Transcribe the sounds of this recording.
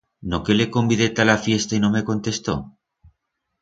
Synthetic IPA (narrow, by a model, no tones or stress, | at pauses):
noke̞le̞ko̞mbiðe̞t̪alafje̞st̪aino̞me̞ko̞nt̪e̞st̪o̰